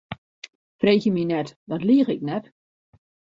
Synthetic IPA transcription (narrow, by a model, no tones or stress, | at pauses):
freːɣjəminɛtdɔtliːχɪknɛt